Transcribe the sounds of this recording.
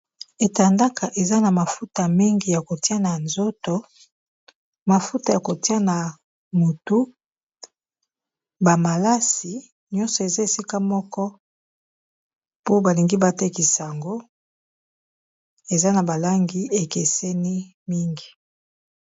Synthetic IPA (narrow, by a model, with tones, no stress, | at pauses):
e˨ta˨nda˦ka˨ʔe˨za˦na˨ma˨fu˦ta˨mi˦ŋɡi˨ja˨ko˨ti˦a˦na˨nzo˦to˨ | ma˨fu˦ta˨ja˨ko˨ti˦a˦na˨ | mo˨tu˦ | ba˨ma˨la˦si˨ | ɲɔ˦nsɔ˨e˨za˦e˨si˦ka˦mɔ˦kɔ˦ | po˦ba˨li˨ŋɡi˦ba˨te˦ki˨sa˨a˨ŋɡo˦ | e˨za˦na˨ba˨la˦ŋɡi˦e˨ke˨se˦ni˦mi˦ŋɡi˨